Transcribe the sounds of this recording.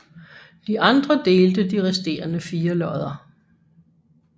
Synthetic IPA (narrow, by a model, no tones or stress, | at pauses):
d̥iʔɑ̈nd̥ʁɐd̥e̝ːld̥əd̥iʁɛsd̥e̝̰ːɐnəfiːɐlɒɪðˠɐ